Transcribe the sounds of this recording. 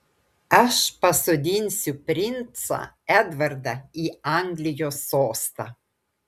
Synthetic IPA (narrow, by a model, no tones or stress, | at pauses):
æʃpasɔd̪ʲinsʲupɾint̪sa̰ | ɛd̪vaɾd̪aiaŋɡlijosoːst̪a̰